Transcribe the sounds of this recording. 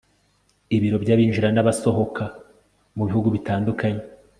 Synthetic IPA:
iβiɾo̞bɟaβiːnʒiɾanaβaso̞ɦo̞kʰa | muβihuɡuβitaːndukʰaɲe

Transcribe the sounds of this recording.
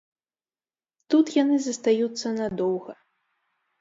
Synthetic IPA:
t̪ut̪janɨzɐst̪ajut̪sːɐnad̪ɔwɣɐ

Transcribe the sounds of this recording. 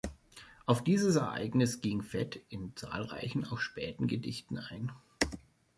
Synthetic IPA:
ʔaʊfd̥iːzəsɛɐʔa̰ɪɡnɪsɡ̥ɪŋfɛ̰tɪnt͡sa̰ːlʁa̰ɪçn̩a̰ʊxʃpɛːtn̩ɡədɪ̰çtn̩aɪn

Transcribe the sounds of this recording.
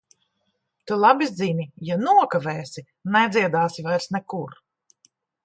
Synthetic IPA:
t̪ulˠabizd̪zimʲijanuɔkavɛːsi | nɛd̪zʲiɛd̪aːsivajɾsnɛkuɾ

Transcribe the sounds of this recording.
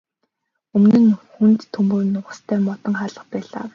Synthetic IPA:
ɵmnɘ̆nxunt̪ʰːɵmpuːjnʊʁə̆st̪ʰæːmɔt̪ɞ̆ŋχaːɮə̆χpæːɮa̰ː

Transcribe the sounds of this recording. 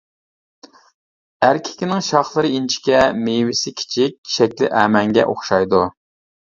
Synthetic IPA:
æɾkʲʰɪ̥kʲinɪŋʃɑχlˠɨɾɨint͡ʃʰi̥kʲɛmewɪsɪkʲʰi̥t͡ʃʰik̚ʲːʰi̥ʃɛkʲlɪ̰ʔɛːmɛŋɡʲɛ̰ʔo̰χʃɑjd̪u

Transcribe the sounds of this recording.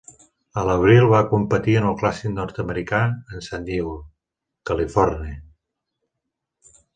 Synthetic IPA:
ələβ̞ɾilˠβakumpət̪iənəlˠklasiknɔɾt̪əməɾikaənsaniw | kəlifɔrni

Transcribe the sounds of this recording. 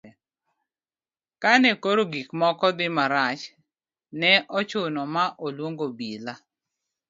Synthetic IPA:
kanɛkoɾoɡikmɔkɔd̪ɪmaɾat͡ʃ | nɛʔɔt͡ʃʊnɔmaʔolwoŋɡobila

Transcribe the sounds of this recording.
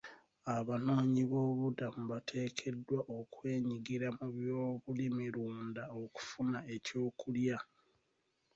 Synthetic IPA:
aβano̞ːɲiβo̞ːβudamuβatʰe̞ːkʰe̞dwaʔo̞kwe̞ːɲiɡiɾamuβjoːβulimiɾuːndao̞ku̥funae̞co̞ːkulja

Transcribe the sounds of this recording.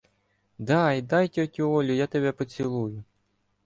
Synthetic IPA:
d̪ɑjd̪ɑjtʲɔtʲuɔlʲʊjat̪eβɛpɔt͡sʲilˠujʊ

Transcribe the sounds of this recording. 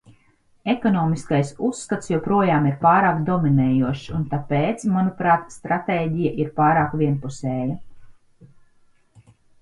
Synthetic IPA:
ekɔnɔːmiskajsusːkat̪sjuɔpɾuɔjaːmiɾpaːɾaːkd̪ɔminɛːjuɔʃunt̪apeːt̪smanupɾaːt̪st̪ɾat̪eːɟijaʔiɾpaːɾaːkʋʲiɛnpusɛːja

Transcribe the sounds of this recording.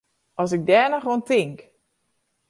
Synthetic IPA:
ɔsɪk̚dɛːnəxʋontɪŋk

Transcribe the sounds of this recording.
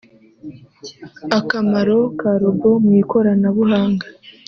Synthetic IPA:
akamaɾo̞kaːɾoɡo̞mwiːko̞ɾanaβuɦaːŋɡḁ

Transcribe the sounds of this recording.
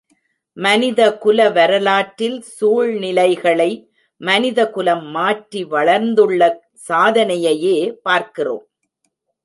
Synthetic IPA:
mɐnɪðɐkʊlɐʋɐɾɐlaːʈːɪlsuːɻnɪlɐɪɣɐɭɐɪ | mɐnɪðɐkʊlɐmːaːʈriʋɐɭɐɾnd̪ɯɭːɐ | saːðɐnɐjɐjeːpaːɾkɪro̰ːm

